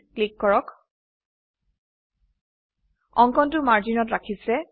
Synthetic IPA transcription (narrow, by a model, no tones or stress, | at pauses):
klikːɔɹɔk | ɔŋkɔntʊmaɹd͡ʒinɔtɹakʰisɛ